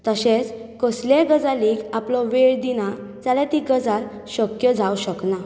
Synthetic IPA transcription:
t̪əɕẽt͡skəsleɡəd͡zalikaplɔʋeɭd̪inat͡salat̪iɡəd͡zaɾ | ɕəkjəd͡zʱawɕəkna

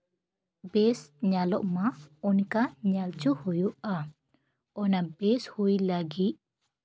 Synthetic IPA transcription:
bɛsɲalɔʔmaɔnkaɲalt͡ʃuhujuʔa | ɔnabɛshujlaɡit̪̚

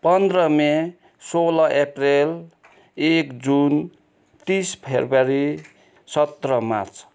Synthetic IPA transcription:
pʌnd̪rʌme | solʌʔeprel | ekd͡zun | t̪ispʰebaɾi | sʌt̪rʌma̰rt͡s

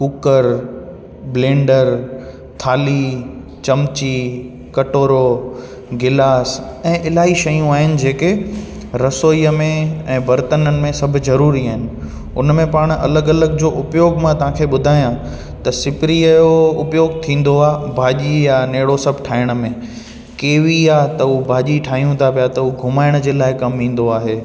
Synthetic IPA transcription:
kʊkəɾ | blẽːɳɖəɾ | t̪ʰaːli | t͡ɕɐmt͡ɕi | kɐʈoːɾo | ɡɪlaːsɛ̃ːʔɪlaːɦiʃɐjũaːɦɪnɪ̆d͡ʑeːkɪ | ɾɐsoːiəmẽɛ̃ːbʱɐɾt̪ənənɪ̆mẽsɐbʱʊ̆zɐɾuːɾiaːɦɪnɪ̆ | ʊnmẽpaːɽ̃ɐ̰ləɡɐləɡd͡ʑoːʔʊpjoːɡmãt̪ɐʋ̤ãkʰeːɓʊd̪ʱaːjã | t̪ɐsɪpɾiəjoʊpjoːɡ̚t̪ʰĩːn̆d̪oaːbʱaːʄijaneːɽosɐbʱʈʰaːɪɽ̃ə̆mẽ | keːʋiaːt̪ɐubʱaːʄiʈʰaːɦijũt̪ʰapijat̪ɐuːɡʱʊmaːɪɽ̃d͡ʑeːlaːɪkɐmʋĩːn̆d̪oaːɦeː

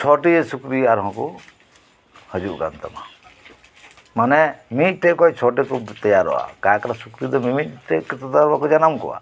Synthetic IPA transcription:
t͡ʃʰɔʈiesukɾiaɾɦɔ̃ku | həd͡ʒuʔɡa̰nt̪a̰ma̰ | manɛmit̪̚ʈekɔɦit͡ʃʰɔʈikut̪ɔjaɾɦɔ̰a̰kakaɾasukɾid̪ɔmimit̪ʈekit̪ɔt̪aɾbakud͡ʒanamkɔ̰wa̰

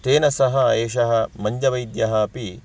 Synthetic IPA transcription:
ʈ̪eːnɐsɐɦɐeːʃɐɦɐmɐɲd͡ʒɐʋɐjd̪jɐɦɐːpi

